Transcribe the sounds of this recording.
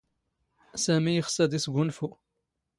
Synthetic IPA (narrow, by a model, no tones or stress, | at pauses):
sæmijəxsæd̪isɡʷʊnfu